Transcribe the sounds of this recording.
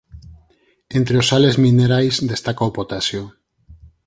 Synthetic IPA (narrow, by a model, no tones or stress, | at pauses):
ent̪ɾeosale̞zmĩneɾajzd̪e̞st̪akaopot̪asjo